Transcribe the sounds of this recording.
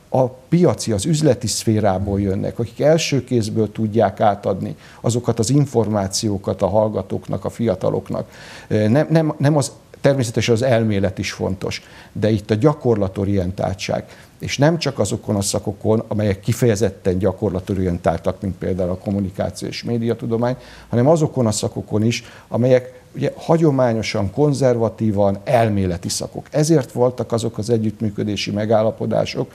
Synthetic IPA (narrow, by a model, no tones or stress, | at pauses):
ɒpijɒt̪siɒzyzlɛt̪isfeːɾaːboːljønːʔɛ̰kɒki̥kɛlʃøːkeːzbøːlt̪uɟːaːkaːt̪ɒd̪nḭ | ɒzo̞kɒt̪ɒziɱfo̞rmaːt̪sijoːkɒt̪ɒɦɒlɡɒt̪o̰ːknɒ̰kɒfijɒt̪ɒ̰lʔo̞̰knɒ̰knɛmnɛmnɛmɒz | t̪ɛrmeːsɛt̪ɛʃɛnɒzɛlmeːlɛt̪iʃfo̞̰nt̪oʃ | d̪ɛit̪ːɒɟɒko̞rlɒt̪o̞ɾijɛnt̪a̰ːlt͡ʃa̰ːɡ | eːʃnɛmt͡ʃɒkɒzo̞ko̞nɒsɒko̞ko̞nɒmɛjɛkːifɛjɛzɛt̪ːɛɲɟɒko̞rlɒt̪o̞ɾijɛnt̪a̰ːlt̪ɒkmint̪̚pḛːld̪aːulɒko̞mːunika̰ːt̪sijo̰ḛʃmeːd̪ijɒt̪ud̪o̞maːɲ | hɒnɛmɒzo̞ko̞nɒsɒko̞ko̞niʃ | ɒmɛjɛk | uɟɛhɒɟo̞maːɲo̞ʃɒŋko̞nzɛrvɒt̪iːvɒnɛlmeːlɛt̪isɒ̰ko̞̰kɛzeːrt̪ʋo̞lt̪ɒkɒzo̞kɒzɛɟːyt̪myːkød̪eːʃimɛɡaːlːɒpo̞d̪a̰ːʃo̞k